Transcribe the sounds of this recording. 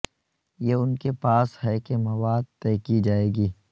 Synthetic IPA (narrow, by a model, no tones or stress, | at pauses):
jeːʊnkepaːshɛkemɐʋaːd̪̚t̪ɛːkid͡ʒaːeːɡiː